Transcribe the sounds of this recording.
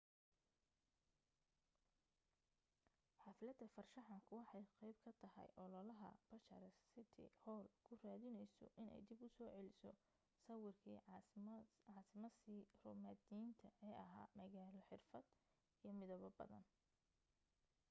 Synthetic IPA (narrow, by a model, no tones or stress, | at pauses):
ħɑːfɪlɐd̪ʰɐfɐrʃɑħɑŋkʰʊwɑħɑjqɛjb̚kʰɐt̪ʰɐhɛ̰jʔɔlɔlɐɦɐ̰b̥ɐʃɐɾɛssɪt̪ʰɪ̰hɔːlkʰʊraːðɪnɛjsɔ̰ʔɪnɛ̰jd̪ibʊsɔːʕɛlɪsɔ | sɐwɪrkʰḭː | ɑːsɪmɐsirɔmaːd̪int̪ʰɐʔɛːʔɐɦa̰ːmɐɣaːlɔħɪrfɐd̪ | ijɞmɪðɔβɔbɐ̰ðɐ̰n